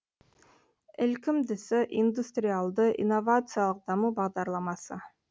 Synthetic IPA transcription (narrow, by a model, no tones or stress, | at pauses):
elkimd̪esøʔind̪ust̪rʲɪalˠd̪ɯʔḭnːovat̪sɨjalˠəq̚d̪ɑmubɑʁd̪ɑɾlˠɑmɑsɯ